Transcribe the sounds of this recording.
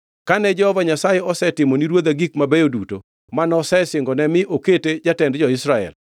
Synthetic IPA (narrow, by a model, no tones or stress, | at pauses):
kanɛd͡ʒɛhɔvaɲasajeɔsɛtɪmoniɾwod̪aɡikmabɛjoduto̰ | manɔsɛsɪŋɡɔnɛmɪʔoketed͡ʒatɛndd͡ʒɔɪsɾaɛ̰l